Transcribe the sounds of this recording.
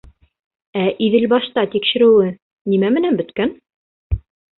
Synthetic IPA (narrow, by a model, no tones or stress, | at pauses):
æʔiðɘlbɑʃt̪ɑt̪ikʃɘ̆ɾɘ̆wɘ | nimæmɘ̆nænbɘ̆t̪kæn